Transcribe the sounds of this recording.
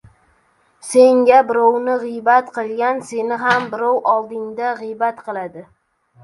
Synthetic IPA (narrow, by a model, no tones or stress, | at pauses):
se̞ŋɡʲabɪɾɒwnɪʁɨjbat̪qʰɨlˠɡʲanse̞nɪɦambɪɾɒwʔɒlˠd̪ɪŋd̪aʁɨjbat̪qʰɨlˠad̪ɪ